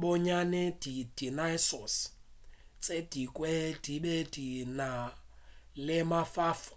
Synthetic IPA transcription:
bɔɲanɛd̥id̥inajsɔs | t͡sʼed̥ikʼwɛd̥iɓedina | lɪmafaːfɔ̥

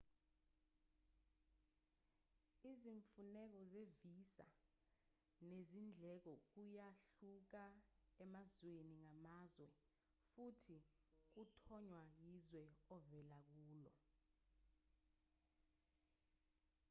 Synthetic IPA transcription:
iziɱfunɛk̬ɔzevisa̰ | nezind͡ɮʱɛk̬ɔk̬ujaɬuk̬aɛmazweniŋamazwɛ | futʰik̬utʰɔɲwajizwɛɔvɛlak̬uːlɔ̰

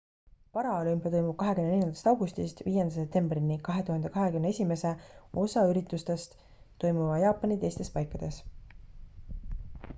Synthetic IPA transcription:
pɑɾɑolympijɑt̪ojmub̥̚kɑɦekymnene̞lʲjɑnd̪̥ɑ̥st̪ɑwɡ̥ust̪ist̪viːjend̪ɑsep̚t̪e̞mbrinːikɑɦe̞t̪uhɑnd̪e̞kɑɦe̞kymnee̞sʲime̞se̞o̞sɑyɾit̪ːˑust̪est̪ː | o̞jmuvɑjɑːpːˑɑnit̪e̞jst̪e̞spɑjkˑːɑd̪̥e̞s

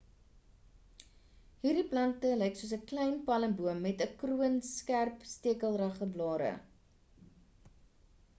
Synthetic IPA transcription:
ɦiːrdiplɐntəlɛjksuəsəklɛjnpɐlənbuəmːɛtəkruənskærpstiəkəlˠrɐχəblɑːɾə̰

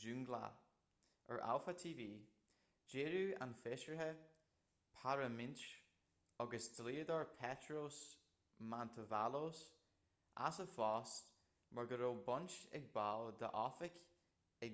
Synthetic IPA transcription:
d͡ʒʉŋɡla̰ | ə̰ɹʔa̰lfat̪ʰiːviː | d͡ʒeːɹuːa̰nfɪʃɹəɦə | pʰaɹəmɪnt͡ʃ | ɔɡəsd̪liːəd̪ɔɹpʰɛtɹos | mant̪ʰəvalos | ʔa̰səfɔːst | məɹɡəɾoːbɔnt͡ʃɛ̰ɡ̚bald̪ə̰ʔɔfɪk | ɛ

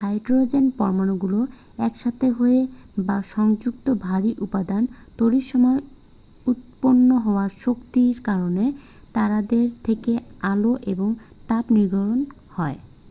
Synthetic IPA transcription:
hajʈɾod͡ʑenpɔɾmanoɡulo | ɛkʃat̪ʰeɦoebaʃɔŋd͡ʑukt̪obʱaɾiʔupad̪ant̪oɾiʃɔmɔe | ut̪̚ponːoɦɔoaɾʃokt̪iɾkaɾone | t̪aɾad̪eɾt̪ʰekealoʔeboŋ | t̪apniɾɡʱɔɾon | hɔe

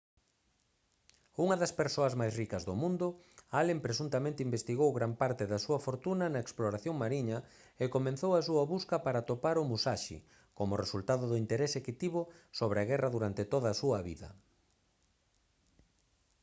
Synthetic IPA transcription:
uŋɐðɐspeɾsoɐzmajsrikɐzðomũnd̪ʊ | alempɾesunt̪ɐmẽnt̪ɪimbest̪iɣowɣɾampaɾt̪ɪðɐsuɐfoɾt̪unɐnɐeksploɾaθjoŋmaɾiɲɐ | ekomẽn̟θowɐs̬uɐβuskɐpaɾat̪opaɾʊmusaʃɪ̰ | komʊresult̪aðʊðʊint̪eɾeseket̪iβʊsoβɾeɐɣɛrɐðuɾant̪ɪt̪oðɐːsuɐβḭðɐ̰

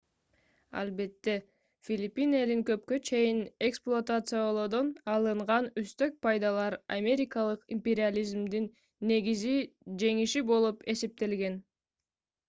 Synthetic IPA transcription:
ɑ̰lˠbe̞t̪ːe̞ | fʲilʲipʲːine̞liŋkø̞p̚kø̞t͡ʃʰe̞jineksplˠʊat̪at̪sɨjalˠod̪o̞nɑlˠɯɴʁɑnyst̪ø̞k̚pʰɑjd̪ɑlˠɑɾa̰mʲe̞ɾʲɪkɑlˠɯqimʲpʲe̞ɾʲɪalʲizmd̪inː | e̞ɡizid͡ʒe̞ŋiʃibo̞lˠupe̞se̞p̚t̪e̞lɡe̞n

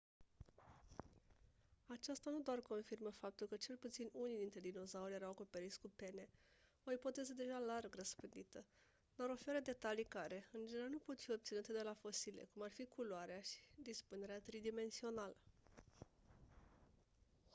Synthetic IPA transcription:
at͡ʃast̪anud̪oarko̞nfirməfap̚t̪ulkət͡ʃe̞lput̪sinunid̪int̪ɾed̪ino̞zauɾje̞ɾawako̞pe̞ɾit̪sʲkupe̞ne̞ | o̞ipo̞t̪e̞zəd̪e̞ʒalarɡrəspɨnd̪it̪ə | naɾo̞fe̞ɾəd̪e̞t̪alikaɾe̞ɨnd͡ʒeneɾanupo̞t̪fio̞b̚t̪sinut̪ed̪e̞lafo̞silḛkumarfikʰuloaɾeaʃi̥d̪ispune̞ɾeat̪ɾid̪ime̞nsio̞nalə

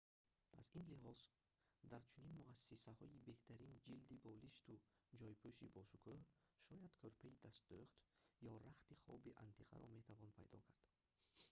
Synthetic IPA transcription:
a̰zinlihɔz | d̪aɾt͡ʃʰuninmuasːisahɔibe̞ht̪ʰæɾind͡ʒild̪ibɔliʃt̪ud͡ʒɔjpʰuʃḭbɔʃukʰɔʃɔjad̪̥kʰøɾpʰaid̪ast̪̚d̪uχt̪jɔɾaχt̪iχɔ̰biʔa̰nt̪ʰiqa̰ɾɔ̰me̞t̪ʰavɔnpʰajd̪ɔ̰kʰaɾd̪̥

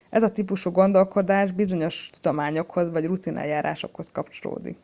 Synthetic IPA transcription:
ɛzɒt̪ipuʃuːɡo̞nd̪o̞lko̞d̪aːʒbizo̞ɲo̞ʃt̪ud̪o̞maːɲo̞kho̞zʋɒɟrut̪inʔɛ̰jaːɾa̰ːʃo̞̰kho̞skɒpt͡ʃo̞lo̰ːd̪ḭk

